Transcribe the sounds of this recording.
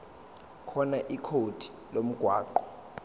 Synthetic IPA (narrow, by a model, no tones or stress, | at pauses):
kʰɔnaʔikʰod̥ʱi̥ | lom̩ɡ̥ʱwaːǃɔ